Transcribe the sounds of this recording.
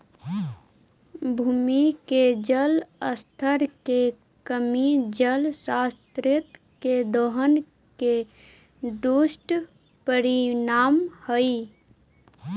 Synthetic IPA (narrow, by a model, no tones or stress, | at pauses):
bʱuːmiked͡ʒələst̪ʰəɾke | kəmid͡ʒəlsast̪ɾɪt̪ | ked̪oɦən | ke | ɖusʈ | pəɾinaːmhəi